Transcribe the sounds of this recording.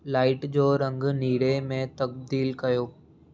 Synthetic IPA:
laːɪʈd͡ʑoːɾɐ̃ŋɡniːɽemẽt̪ɐk̚d̪iːlkɐjoː

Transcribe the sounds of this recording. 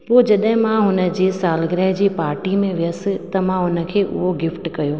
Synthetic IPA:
poːd͡ʑɐɗɦɪ̃mãɦʊnə̆d͡ʑeːsaːlɡɾɛɦd͡ʑiːpaːɾʈimẽʋɪjəsɪt̪ɐmãɦʊnə̆kʰeːʔʊ̰ɦoɡɪfʈkɐjoː

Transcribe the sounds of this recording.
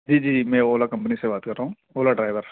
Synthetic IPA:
d͡ʒiːd͡ʒiːmɛ̃ːoːlakɐ̃mpnisebaːt̪kəɾːaːɦũ | oːlaɖɾaːɪʋəɾ

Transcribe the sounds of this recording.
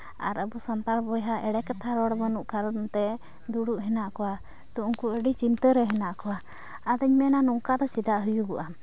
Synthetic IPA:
a̰ɾəbusamp̪aɾbɔjɦaʔɛɽɛkat̪ʰaɾɔɽbənuʔkaɾnt̪ɛ | d̪uɽuʔɦɛnaʔkɔwa | d̪ɔʔuŋkuəɖit͡ʃint̪əɾɛɦɛnaʔkɔwa | ad̪əɲmɛnanuŋkad̪ɔt͡ʃid̪aʔɦujuɡuʔa

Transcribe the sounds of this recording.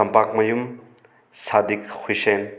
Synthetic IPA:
ɐmpak̚mɐjum | sad̪ikhʰujsen

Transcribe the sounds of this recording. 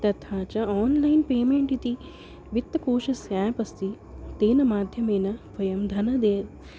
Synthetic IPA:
t̪ɐt̪ʰaːt͡ʃɐaːnlɐjnpeːmeːɳʈit̪i | ʋit̪ːɐkoːʃɐsjaːpɐst̪i | t̪eːnɐmaːd̪ʱjɐmeːnɐbɐjɐmd̪ʱɐnɐd̪eː

